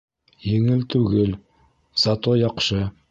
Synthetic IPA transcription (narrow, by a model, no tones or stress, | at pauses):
jeŋɪlt̪ʰʉɡʲɪl | zɑt̪ojɑqʃə